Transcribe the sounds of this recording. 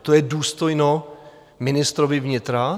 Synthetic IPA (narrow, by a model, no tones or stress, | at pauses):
t̪ojɛduːst̪o̞jno | mɪnɪst̪ɾovɪvɲɪt̪ɾa